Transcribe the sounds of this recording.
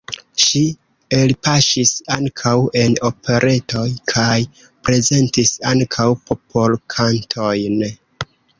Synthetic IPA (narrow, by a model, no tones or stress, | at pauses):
ʃi | e̞lpaʃisaŋkʰawe̞no̞pʰe̞ɾʔe̞tʰo̞jkʰaj | pɾe̞ze̞ntisaŋkʰawpo̞pʰo̞lkʰantʰo̞jn